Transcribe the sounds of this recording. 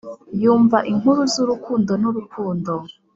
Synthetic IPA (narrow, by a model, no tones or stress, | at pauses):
juːɱvaʔiŋuɾuzuɾukuːndo̞nuɾukʰuːndo